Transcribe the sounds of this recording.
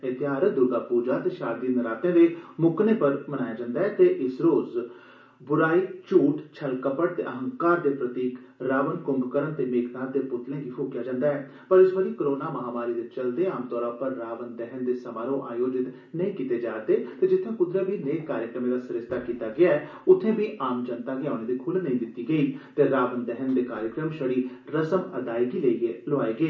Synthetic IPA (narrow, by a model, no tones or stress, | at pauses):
ɪt̪ɪaːɾəd̪ʊɾɡaːpuːd͡ʒaːt̪eːʃaːɾd̪iːnəɾaːt̪ẽːd̪eːmʊkneːpəɾmənaːjaːd͡ʒãːnd̪aːɦɛːt̪eːʔɪsɾoːz | bʊɾaːiːt͡ʃuːʈt͡ʃʰəlkəpəɽt̪ḛːʔəɦə̃ŋkaːɾd̪eːpɾət̪iːk | ɾaːʋənkʊmbkəɾənt̪eːmeːknaːd̪eːpʊt̪lẽːɡiːpʰoːkjaːd͡ʒãːnd̪aːɛː | pəɾɪsʋəliːkəɾoːnaːməɦaːmaːɾiːd̪eːt͡ʃəld̪eːaːmt̪ɔːɾãːpəɾːaːʋənd̪ɛɦənd̪eːsəmaːɾõːʔaːjoːd͡ʒɪt̪ | nəĩkiːt̪eːd͡ʒaːt̪eːt̪eːd͡ʒɪt̪ʰːẽːkʊd̪ɾəbʱiːneːaːɾjəkɾəmẽːd̪aːsɪɾɪst̪aːkiːt̪aːɡɪaːɛː | ʊt̪ʰẽːbʱiːʔaːmd͡ʒənt̪aːɡiaːneːd̪ikʰʊlnəĩːd̪ɪt̪ːiːɡəiːt̪eːɾaːʋənd̪ɛɦənd̪eːkaːɾjəkɾəmʃəɽiːɾəsəməd̪aːeɡiːləieloaːeːɡəeː